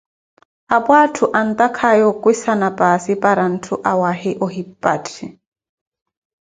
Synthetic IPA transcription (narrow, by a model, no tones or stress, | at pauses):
apwaːtʰuʔan̩t̪akʰajɔkwisanapʼasipʼaɾan̩tʰuʔawahɪʔɔhipʼːatʰi